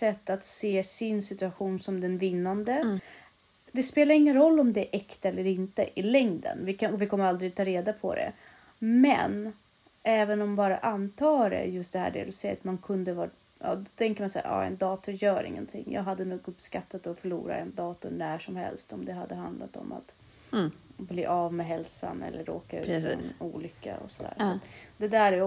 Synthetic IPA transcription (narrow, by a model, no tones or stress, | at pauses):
sɛt̪ːat̪seːsɪnsɪt̪ɵaɧuːnsɔmd̪ɛnvɪnːand̪ə | d̪ɛspeːlaɾɪŋːənɾɔlːɔmd̪ɛʔɛkt̪aɛlːəɾɪnt̪ə̰ʔɪlɛŋd̪ə̰nvɪkaɔvɪkʰɔmːəɾald̪ɾɪɡ̚t̪ʰɑːɾeːd̪apʰɔ̰d̪ɛ̰ | mɛ̰n | ʔɛːvənɔmbɑːɾa̰ʔant̪ʰɑːɖɛ̰jɵst̪̚d̪ɛhæ̰ːɖɛ̰d̪ɵsɛjat̪mankʰɵnd̪əvɑːʈ | ɑ̰ːd̪ɔt̪ʰɛŋkəmansæ̰ːɾʔɑ̰ːɛ̰nd̪ɑːt̪ʊjœːɾɪ̰ŋːənt̪ʰɪŋːjɑ̰ːɡɦad̪ːənuːɡɵpskat̪ːat̪ɔfœɭuːɾa̰ɛnd̪ɑːt̪ʊnæʂɔmhɛ̰lst̪ɔmd̪ɛɦad̪ːəɦand̪lat̪ɔ̰ma̰t̪ | bliːʔavmɛɦɛlsa̰nɛ̰lːəɾoːkaʉ̟ːfːnuːlʏkːa̰ɔ̰sɔd̪æ̰ːɾʂat̪d̪ɛd̪æːɾɛ